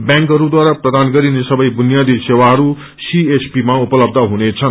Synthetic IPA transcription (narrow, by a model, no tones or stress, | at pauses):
bjãŋkɦʌɾud̪waɾaprʌd̪anɡʌɾinesʌbʌjbunijad̪ʱisewaɦʌɾu | siesʰpimaupʌlʌb̚d̪ʱʌɦunet͡sʰʌn